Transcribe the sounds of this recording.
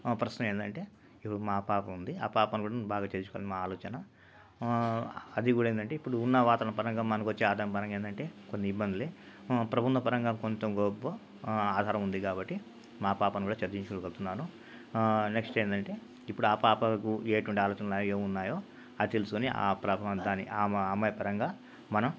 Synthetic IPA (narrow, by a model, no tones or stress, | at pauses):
pɾɐʃnɐmeːnd̪ɐɳʈe̞ː | ipːuɽumaːpaːpɐmund̪iaːpaːpɐnkuːɽanbaːɡaːt͡ʃeːɾt͡ʃu̥koːa̰ːlnimaːaːlɔːt͡ʃɐnɐ | ɐd̪ikuːɽaːend̪ɐɳʈe̞ːipːuɽuːnːɐʋaːt̪ɐnɐpɐɾɐŋɡaːmmɐnɐkʋɐt͡ʃːeaːd̪ʱaːmpɐɾɐŋɡeːnd̪ɐɳʈe̞ːkonːiibːɐnd̪ile | pɾɐbʱunɐpɐɾɐŋɡaːmkont̪omɡobːo | aːd̪ʱaːɾɐmund̪ikaːbɐʈːi | maːpaːpɐnikuːɽaːt͡ʃɐɾd͡ʒiɲt͡ʃukolukɐlut̪unːaːnu | ne̞ksʈeːnd̪ɐɳʈe̞ː | ipːuɽuaːpaːpɐkueːʈuʋɐɳʈiaːlɔːt͡ʃɐnɐaːjoeːunːaːjoː | ɐd̪it̪e̞lusukoniʔa̰ːpɾaːpɐd̪aːniʔaːmːmɐjɐpɐɾɐŋɡaː | mɐnɐm